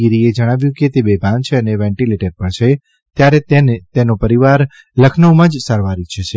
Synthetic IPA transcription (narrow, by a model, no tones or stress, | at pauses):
iɾied͡ʒəɽ̃aʋjũket̪ebebʱãnt͡ʃʰeəneʋɛ̃ɳʈileʈəɾpəɳt͡ʃʰe | t̪jaɾeenet̪enopəɾiʋaɾ | ləkʰnəwmãd͡ʒsaɾʋaɾit͡ʃʰet͡ʃʰe